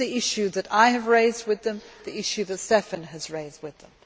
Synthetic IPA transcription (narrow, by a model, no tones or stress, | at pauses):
iɪʃʉðɨɾaɪɨvɹeɪzd̚wɨðɨ̃mðiɪʃʉðɨtsɛfɨ̃nɨzɹeɪzd̚wɨðə̃m